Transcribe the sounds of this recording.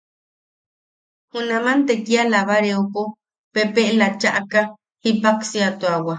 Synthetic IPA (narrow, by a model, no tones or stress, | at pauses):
hunãmãnt̪ekialaβaɾeoko | pepeʔlat͡ʃaʔaka | hipaksiat̪oawa